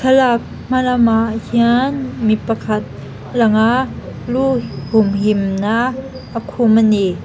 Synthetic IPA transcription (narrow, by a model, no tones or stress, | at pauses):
kʰalak̚ | m̥alamaʔhianmipakʰɐt̪̚ | laŋaluhumɦimna | ʔəkʰumani